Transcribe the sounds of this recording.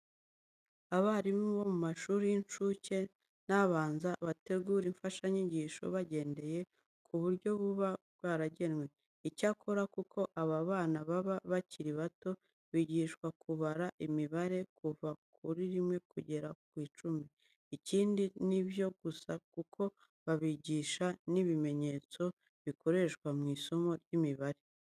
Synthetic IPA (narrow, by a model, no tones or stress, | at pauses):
aβaɾimβo̞mumaʃuːɾijint͡ʃuce̞ | naβaːnzaβate̞ɡuːɾiɱfaʃaɲiɟiːʃo̰βaɟe̞ːnde̞je̞ | kʰuβuɾɟo̞βuβaββɡwaːɾaɟe̞nŋwe̞ | icakʰo̞ɾakukʰo̞ʔaβaβaːnaβaβaβaciɾiβato̞ | βiɟiːʃkwakʰuβaɾaʔimiβaɾe̞kuvakʰuɾiɾimŋe̞kuɟe̞ɾakwiːt͡ʃumi | iciːndiniβjo̞ɡ̥usakukʰo̞ | βaβiɟiːʃaniβime̞ɲe̞t͡so̞ | βiko̞ɾe̞ʃkwamŋiːso̞mo̞ɾjimiβaɾe̞